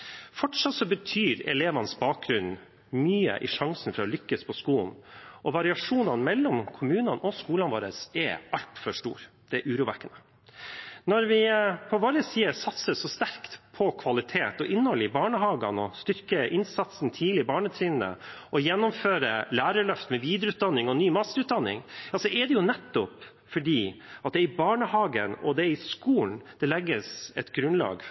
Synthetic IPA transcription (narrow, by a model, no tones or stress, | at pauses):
fɔʈʂɑt̪sɔbət̪ʰyːɾɛ̰leːʋɑnəsbɑːk̚ɡɾʉn | myːə̰ʔɪ̰ʂɑŋsn̩fɾɑɔlʏkːəspʰɔskuːln̩ʔɔʋɑɾɪɑʂuːnɑnmɛlːɔmkʰʊmʉːnɑnʔɔskuːlɑnʋoːɾəsɛʔɑlt̪fœʂʈṵːɾ | d̪̥ɛæʔʉːɾuːʋækːənə | nɔɾʋɪpʰɔʋoːɾəsiːəsɑt̪səsɔst̪æɾkt̪pʰɔkʰʋɑlɪt̪ʰeːt̪ɔʔɪnːhɔlɪbɑːɳəɦɑːɡɑnɔst̪ʏɾkəʔɪnsɑt̪sn̩t̪ʰiːlɪbɑːɳət̪ʰɾiːn̩ə̰ɔjɛnːɔmføːɾəlæːɾəɭœft̪mɛʋiːd̪ɾʉːt̪d̪ɑnːɪŋɔnyːmɑst̪əʉːt̪̚d̪ɑnːɪ̰ŋjɑːsɔʔɛd̪ɛjʊnɛt̪ːɔp | fɔɖiːɑt̪̚d̪ɛɪbɑːɳəhɑːɡənɔ̰d̪ɛɪskuːln̩d̪̥ɛlɛɡːəsɛt̪ɡɾʉnlɑ̰ːɡ